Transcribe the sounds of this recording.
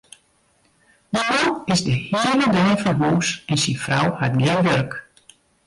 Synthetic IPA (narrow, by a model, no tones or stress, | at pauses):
dəfawɪzdəhiːələdøːnfɔnɦuːsɛnsinfrawhat̚ɡɪnʋørk